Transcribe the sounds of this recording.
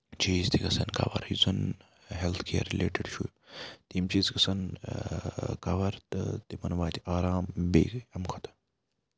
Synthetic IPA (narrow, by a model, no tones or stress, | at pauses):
t͡ʃiːzt̪ʰikɐsɐnka̰ʋɐ̰ɾjuzɐn | ɦelt̪ʰkʰeːɐɾːileːʈeɖt͡ʃʰṵj | t̪imt͡ʃiːzkɐsɐn | kɐʋɐɾt̪ɨ̰t̪imɐnʋaːt̪ʰiʔaːɾaːmbḛːɡɐmkʰot̪ɐ̥